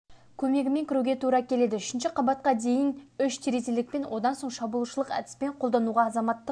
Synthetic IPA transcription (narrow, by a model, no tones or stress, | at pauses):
kʲʰɵme̞ɡʲɪme̞ŋkʲɪɾuɡʲe̞t̪ʰuɾɑkʲʰe̞le̞d̪ɪʏʃɪnʃɪqʰɑbɑt̪̚qɑd̪e̞jɪnʏʃt̪ʰeɾezelɪk̚pe̞nwo̞d̪ɑnso̞ɴʃɑbulˠuʃəlˠəqæ̰d̪ɪ̥spe̞ɴqʰo̞lˠd̪ɑnuʁɑːzɑmɑt̪ːə